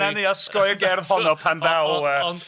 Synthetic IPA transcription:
aniaskɔjɡɛrð̥hɔnɔpʰanðawˠə

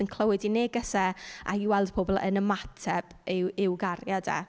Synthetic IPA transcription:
ənkʰlˠəwɨdineːɡəsɛa̰iwɛlˠd̥pʰoːbɔlˠə̰nəmatʰɛb̥ɪwɪwɡarjada̰

